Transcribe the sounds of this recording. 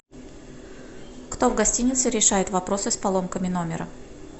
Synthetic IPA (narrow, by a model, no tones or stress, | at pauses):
kt̪o̞vɡɐsʲtʲinʲɪt̪sɨɾʲɪʂajɪt̪vɐpɾo̞sɨspɐlˠo̞mkəmʲɪno̞mʲɪ̰ɾə̰